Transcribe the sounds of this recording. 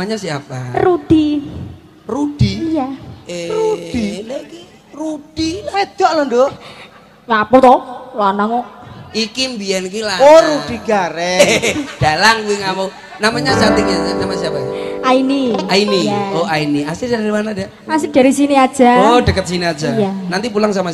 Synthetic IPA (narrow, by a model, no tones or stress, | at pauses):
amaɲasiaparud̪̥i | rud̥ijaerud̥ilki | rud̥ilaed̪̥ɔʔlɔnd̪o | ŋapɔt̪ɔlanaŋɔikimbiankilaoɾud̥i̤ɡ̥aɾɛd̥alaŋkuiŋama | namaɲat͡ʃat̪ɪŋasamasiapaainiainijaoainiasidaɾɾimanada | asɪɡ̥a̤ɾisiniad̥ʒ̥aod̥əkət̪̚siniad̥d͡ʒ̥ajanant̪ipulaŋsama